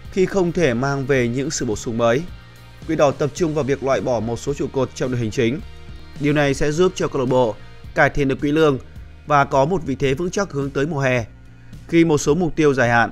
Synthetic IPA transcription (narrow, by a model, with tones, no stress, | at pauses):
xi˧xə˧wŋ͡mt̪ʰe˧˩maː˧ŋve˨˩ɲɨ̰˧˥ŋsɨ̰˧˨ɓo˧˩sʊ˨˦ŋ͡mməː˨˦j | kwi˧˥ɗɔ˨˩t̪ə˨˩p̚t͡ɕʊ˧ŋ͡mvaː˨˩wvi˨˩ək̚lwa̰ː˧˨jɓɔ˧˩mo˨˩t̚so˨˦t͡ɕṵ˧˨ko˨˩t̚t͡ɕɔ˧ŋ͡mɗo̰˧˨hï˨˩ŋ̟t͡ɕï˨˦ŋ̟ | ɗi˨˩əwna˨˩jsɛ̰˧˥zu˦˥p̚t͡ɕɔ˧kɔ˧ɗo˧˩ɓo̰˧˨ | kaː˧˩jt̪ʰe˧˩nɗɨ˨˩əkwḭ˧˥lɨ̰˧˨əŋ | vaː˨˩kɔ˨˦mo˨˩t̚vḭ˧˨t̪ʰe˨˦vɨ̰˧˥ŋt͡ɕa˦˥k̚hɨ˨˦əŋt̪əː˨˦jmu˨˩əɦɛ˨˩ | xi˧mo˨˩t̚so˨˦mʊ˨˩k͡p̚t̪i˧əwzaː˧˩jha̰ː˧˨ʔ